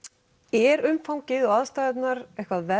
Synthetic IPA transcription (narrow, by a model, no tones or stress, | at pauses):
ɛɾʏmfawɲcɪðɔɣaðst̪ajðɛt̪naɾɛhkvaðvɛ